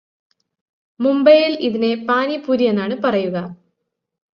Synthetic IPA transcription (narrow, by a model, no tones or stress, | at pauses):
mumbɐjiliðine̞paːnipuːɾije̞nːaːɳɨpɐrɐjuɣɐ